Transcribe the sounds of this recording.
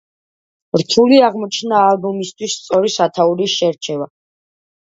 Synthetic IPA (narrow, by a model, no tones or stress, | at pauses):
ɾt̪ʰuliaʁmɔt͡ʃʰnaːlbɔmist̪ʰwisːt̪sʼɔɾisat̪ʰauɾiʃɛɾt͡ʃʰɛva